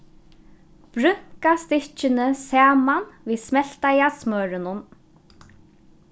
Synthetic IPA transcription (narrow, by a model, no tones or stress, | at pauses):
b̥ɾʏŋ̥kast̪ɪ̥t͡ʃɪnɪsaːmanviːsmɛl̥t̪ajasmœːɾɪnʊn